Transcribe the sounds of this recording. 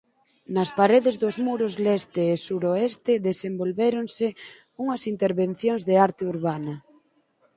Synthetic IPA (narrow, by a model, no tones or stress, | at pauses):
nɐspaɾeðezðozmuɾozlest̪eːsuɾoest̪eðesembolβeɾonse | uŋɐsint̪eɾβen̟θjoŋzðeaɾt̪euɾβanɐ